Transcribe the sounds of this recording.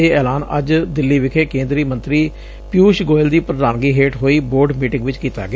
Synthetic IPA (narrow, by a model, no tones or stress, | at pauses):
eːɛːlaːnə̰d͡ʒd̪ɪlːiːʋɪkʰeːkẽːnd̪ɾiːmə̃nt̪ɾiː | pɪjuːʃɡoːɪld̪iːpɾəd̪aːnɡiːɦeːʈɦoːiːboːɾɖmiːʈɪ̃ŋɡʋɪt͡ʃkiːt̪a̰ːɡɪ